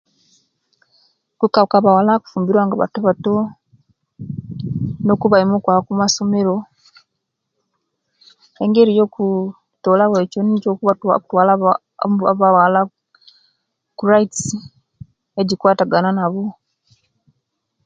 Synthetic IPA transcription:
kukakaβawalaku̥fuːmbiɾwaːŋɡaβa̰tuβato | no̞kuβaimokwakumasomeɾo̞ | e̞ŋɡeɾijo̞ːku | toːlaweconicokuautwaːla | aβawala | kuɾaitsi | eɟikwaːtaɡananaβo

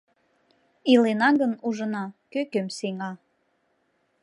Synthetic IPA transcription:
ilenɑɡənuʒənɑkøkømseŋɑ

